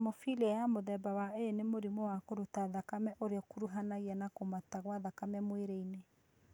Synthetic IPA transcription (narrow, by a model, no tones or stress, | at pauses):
mofiliajamoðɛbawaenemoɾimowakoɾutaðakamɛʔoɾeɔkuɾuɦanaɣianakomataɣwaðakamɛmweɾeine